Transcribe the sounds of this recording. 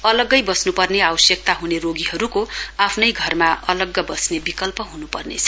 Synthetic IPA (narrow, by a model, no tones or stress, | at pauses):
ʌlʌɡːʌjbʌsnupʌrneawʌsjʌk̚t̪aɦuneroɡiɦʌɾukoapʰnʌjɡʱʌrmaʔʌlʌɡːʌbʌsnebikʌlpʌɦunupʌrnḛt͡sʰʌ̥